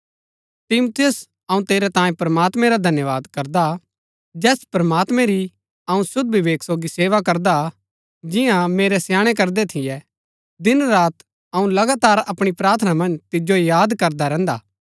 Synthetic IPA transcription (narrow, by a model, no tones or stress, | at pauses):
t̪ɪmʊt̪ʰɪjʊs | ɐũt̪eːɾɛt̪ãːjẽpɾɐmaːt̪mɛ̃ɾad̪ʱɐnjəʋaːd̪kɐɾd̪a | d͡ʒɛːspɾɐmaːt̪mɛ̃ɾi | ɐũsʊd̪̚bʱiʋeːksoːɡiseːʋakɐɾd̪a | d͡ʒɪjãmeːɾɛsjaːɽ̃ɛk̬ɐɾd̪ɛt̪ʰɪjɛ | d̪ɪnɾaːt̪ | ɐũlɐɡaːt̪aːɾɐpɽ̃ipɾaːɾt̪ʰənamɐ̃nd͡ʒt̪ɪd͡ʒojaːd̪kɐɾd̪aɾɛ̃ːnd̪a̰ː